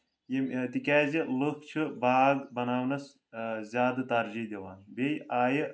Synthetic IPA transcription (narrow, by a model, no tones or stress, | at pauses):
jemt̪ikʲaːzilɨkt͡ʃʰɨbaːɡbɐnaːwnɐs | zʲaːd̪ɨt̪aɾd͡ʒid̪ʲeʋaːnbejʔaːjə